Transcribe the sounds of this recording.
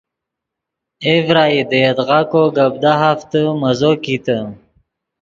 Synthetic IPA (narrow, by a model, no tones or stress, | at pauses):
evɾaːid̪əjed̪ʁakoɡab̚d̪aɦaft̪əmɐzokit̪ə